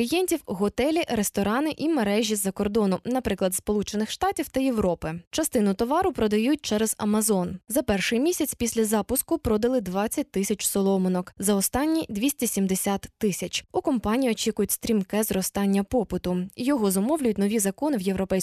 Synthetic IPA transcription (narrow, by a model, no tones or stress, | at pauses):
lʲijɛnʲtʲiwɦɔt̪ɛlʲiɾest̪ɔɾɑnɪʔimeɾɛʒʲizːɐkɔrd̪ɔnʊnɐpɾɪklˠɐd̪spɔlˠut͡ʃenɪxʃt̪ɑtʲiwt̪ɐjeʋɾɔpɪt͡ʃɐst̪ɪnʊt̪ɔʋɑɾʊpɾɔd̪ɐjut̚ʲt͡ʃɛɾɛzɐ̰mɐzɔnzɐpɛrʃɪjmʲisʲɐt͡sʲpʲisʲlʲɐzɑpʊskʊpɾɔd̪ɐlˠɪd̪ʋɑt͡sʲːɐt̚ʲt̪ɪsʲɐt͡ʃsɔlˠɔmɔnɔkzɐɔst̪ɑnʲːid̪ʲʋʲisʲtʲisʲimd̪esʲat̪ːɪsʲɐt͡ʃukɔmpɑnʲiiɔt͡ʃʲikʊjʊtʲst̪ɾʲimkɛzɾɔst̪ɑnʲːɐpɔpɪt̪ʊjɔɦɔzɔmɔwlʲʊjʊtʲnɔʋʲizɐkɔnɪwjewɾɔpɛjs